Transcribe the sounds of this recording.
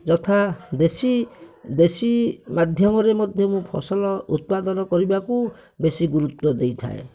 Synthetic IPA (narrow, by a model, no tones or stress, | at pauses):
d͡ʒɔt̪ʰad̪esid̪esimad̪ʱjɔmɔɾemɔd̪ʱjɔmũpʰɔ̰sɔlɔut̪̚pad̪ɔnɔkɔɾibaku | besiɡuɾut̪ːɔd̪ejt̪ʰa̰ḛ